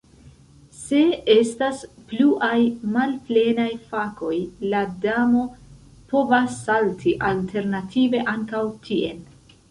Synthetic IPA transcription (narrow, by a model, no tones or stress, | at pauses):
se̞e̞staspluʔajmalple̞najfako̞jladamo̞ | po̞vasːaltʰiʔaltʰe̞ɾnatʰive̞ʔaŋkawtʰie̞n